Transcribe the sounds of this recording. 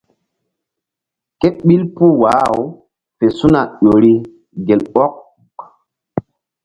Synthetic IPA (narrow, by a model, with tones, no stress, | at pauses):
ke˦t̚ɓi˦lpu˦waː˨˦˨w | pe˨su˦na˨ɗo˨ɾi˦ | ɡe˨lɔ˦k̚